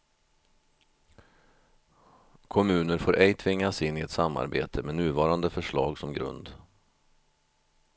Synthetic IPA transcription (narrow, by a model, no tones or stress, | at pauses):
kʰɔmʉ̟ːnəɾfoːɾʔɛjt̪ʰvɪŋːasɪnːɪɛt̪samːa̰ɾbḛːt̪ʰəmɛnʉ̟ːvɑːɾand̪əfœʂɭɑːɡsɔmɡɾɵ̰nd̪